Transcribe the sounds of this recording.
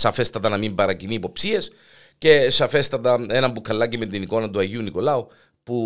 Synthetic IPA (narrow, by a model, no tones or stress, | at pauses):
sɐfe̞st̪ɐt̪ɐnɐmimbɐɾɐcinipo̞psie̞s | ce̞sɐfe̞st̪ɐt̪ɐe̞nɐmbukʰɐlːɐcimet̪iniko̞nɐt̪uɐʝiuniko̞lɐu | pu